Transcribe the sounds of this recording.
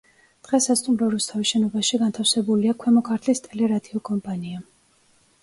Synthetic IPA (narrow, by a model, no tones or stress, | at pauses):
d̪̥ʁɛsast̪ʼumɾɔɾust̪ʰaviʃɛnɔbaʃiɡant̪ʰafsɛbuliakʰwɛmɔkʰaɾt̪ʰlist̪ʼɛlɛɾad̪iɔkʼɔmpʼania